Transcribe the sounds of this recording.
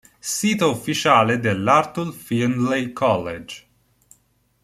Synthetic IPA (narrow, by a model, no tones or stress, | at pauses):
siːt̪aufːit͡ʃaːled̪elːart̪ulfinlekʰɔlːed͡ʒ